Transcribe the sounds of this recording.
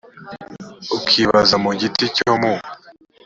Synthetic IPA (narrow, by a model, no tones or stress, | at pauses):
ukʰiβazamuɟiticomu